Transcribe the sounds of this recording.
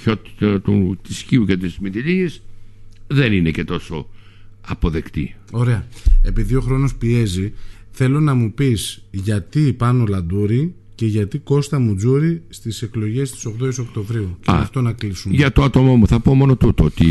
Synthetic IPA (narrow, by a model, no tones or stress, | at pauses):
ot̪i̥t̪ɐt̪ut̪isçiucet̪ismit̪iʎies | ðe̞ninece̞t̪o̞so̞ | ɐpo̞ðe̞kt̪ḭo̞ɾe̞ɐe̞piðio̞xɾo̞no̞spie̞ziθe̞lo̞nɐmupisʝɐt̪ipɐno̞lɐnd̪uɾi | ce̞ʝɐt̪iko̞st̪ɐmud͡zuɾist̪ise̞klo̞ʝe̞st̪i̥so̞ɣðoiso̞kt̪o̞vɾiuceɐ̰ɐft̪o̞nɐklisumʝɐt̪oɐt̪o̞momuθɐpo̞mo̞no̞t̪ut̪oot̪i